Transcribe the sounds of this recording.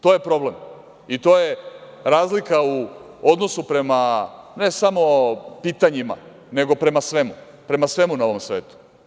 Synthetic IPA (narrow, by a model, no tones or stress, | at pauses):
t̪o̞ːje̞pɾo̞ble̞m | it̪o̞ːje̞ | ɾaːzlikau | o̞d̪no̞supɾe̞mane̞samo̞piːt̪aɲima̰ | ne̞ɡo̞pɾe̞masʋe̞mu | pɾe̞masʋe̞munaoʋo̞msʋeːt̪u̥